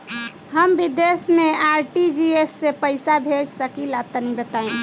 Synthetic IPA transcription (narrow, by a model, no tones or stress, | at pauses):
ɦəmbid̪esmeaɾʈid͡ʒiesːepəɪsabʱed͡ʒsəkilat̪ənibət̪ain